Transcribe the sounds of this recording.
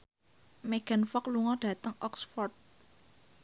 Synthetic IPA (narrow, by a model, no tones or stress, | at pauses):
meɡ̥a̤nfɔk̚luŋɔɖ̥ä̤t̪əŋʔɔksfɔrt̪̚